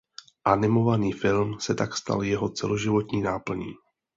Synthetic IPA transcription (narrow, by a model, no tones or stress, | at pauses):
ʔanɪmo̞vaniːfɪlmsɛt̪akst̪a̰ljɛɦo̞t͡sɛ̰loʒɪvo̞t̪ɲiːnaːpl̩ɲḭː